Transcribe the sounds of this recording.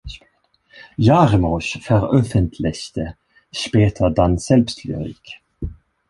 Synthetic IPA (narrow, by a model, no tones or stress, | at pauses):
jɑʁmuʃfœʁœfənt̪ʰlɪçt̪ə | ʃpeːt̪ʰəd̪ɑnsɛlpst̪ʰly̰ʁḭːk